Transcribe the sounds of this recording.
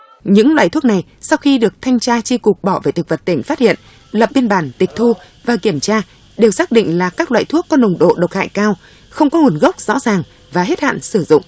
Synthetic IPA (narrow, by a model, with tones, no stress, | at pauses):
ɲɨ̰˧˥ŋlwa̰ː˧˨jt̪ʰu˦˥k̚na˨˩j | sa˧wxi˧ɗɨ˨˩ək̚t̪ʰa˧jŋ̟t͡ɕaː˧t͡ɕi˧kʊ˨˩k͡p̚ɓɔ˧˩ve˧˩jt̪ʰk̚və˨˩t̚t̪ï˧˩ŋ̟faː˦˥t̚hḭ˧˨ən | lə˨˩p̚ɓi˧ənɓaː˧˩nt̪ï˨˩k̚t̪ʰu˧ | vaː˨˩ki˧˩əmt͡ɕaː˧ | ɗe˨˩wsaː˦˥k̚ɗḭ̈˧˨ŋ̟laː˨˩kaː˦˥k̚lwa̰ː˧˨jt̪ʰu˦˥əkːɔ˨˦no˨˩wŋ͡mɗo̰˧˨ɗə˨˩wt̚ha̰ː˧˨jkaː˧w | xə˧wŋ͡mkɔ˨˦ŋu˨˩ənɣə˦˥wk͡p̚z̥ɔ̰˧˥zaː˨˩ŋ | vaː˨˩ɦe˦˥t̚ha̰ː˧˨nsɨ˧˩zʊ̰˧˨ŋ͡m